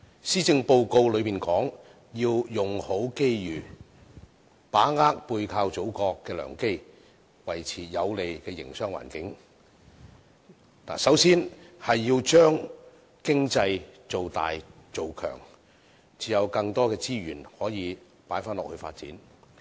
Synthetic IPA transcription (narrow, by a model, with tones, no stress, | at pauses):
siː˥t͡sɪ˧ŋpo˧wko˧wlɵ˨˧piː˨nkɔː˨˥ŋ | jiː˧wjʊ˨ŋho˨˥wke˥jjyː˨˩ | paː˨˥ŋaː˥k̚puː˧jkʰaː˧wt͡so˨˥wkɔː˧kːɛː˧lœ̰ː˨˩ŋke˥j | wɐ˨˩jt͡sʰiː˨˩jɐ˨˧wle˨jkɛː˧jɪ̰˨˩ŋsœː˥ŋwa̰ː˨˩nkɪ˨˥ŋ | na̰ː˨˩sɐ˨˥wsiː˥nhɐ˨jːiː˧wt͡ʃœː˥ŋ | kɪ˥ŋt͡sɐ˧jt͡so˨wt̪a̰ː˨jt͡so˨wkʰœ̰ː˨˩ŋ | t͡siː˨˧jɐ˨˧wkɐ˧ŋt̪ɔː˥kɛː˧t͡siː˥ɥy̰ː˨˩nhɔː˨˥jiː˨˧ | paː˨˥jfaː˥nlɔː˨k̚hɵ˧ɥfa̰ː˧t̚t͡siː˨˥n